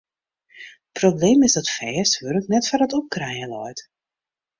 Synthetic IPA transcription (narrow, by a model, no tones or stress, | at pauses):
əprobleːmɪzdɔtfɛːsʋørknɛtfarətɔp̚krɛjəlɔjt